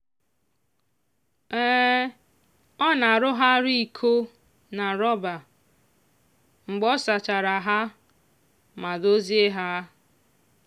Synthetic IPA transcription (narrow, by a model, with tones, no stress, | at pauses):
ɛː˦ | ɔ˦na˨ɾʊ˦ɦa˦ɾi˦i˨kʰo˦ | na˨ɾɔ˦ba˨ | ŋ͡m̩˨ɡ͡bɔ˦sa˨t͡ʃa˨ɾa˨ɦa˦ | ma˨do˦zi˦e˦ɦa˦